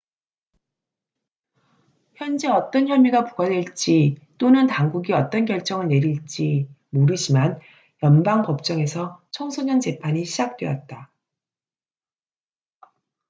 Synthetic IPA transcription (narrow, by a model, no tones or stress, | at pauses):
çjʌnd͡ʑe̞ʌt͈ʌnçjʌmiɡapuɡadweɭt͡ɕ͈it͈onɯntaŋɡuɡiʌt͈ʌnɡjʌɭt͡ɕ͈ʌŋɯɭne̞ɾiɭt͡ɕ͈i | moɾɯd͡ʑiman | jʌnbaŋpʌp̚t͡ɕ͈ʌŋe̞sʰʌt͡ɕʰʌŋsʰoɲʌnd͡ʑe̞pʰaɲiɕʰid͡ʑak̚t͈we̞̰ʌt̚t͈a